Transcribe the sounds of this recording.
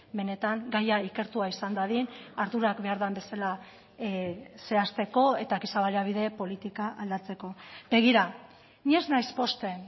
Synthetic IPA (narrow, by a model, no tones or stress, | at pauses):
be̞ne̞t̪aŋɡajaike̞ɾt̪uaisand̪aðinaɾðuɾakbe̞aɾðambe̞sala | se̞ast̪e̞ko̞e̞t̪akisaβaleaβ̞iðe̞po̞lit̪ikaʔald̪at͡se̞ko̞be̞ɣ̞iɾa | ɲeznajspo̞st̪e̞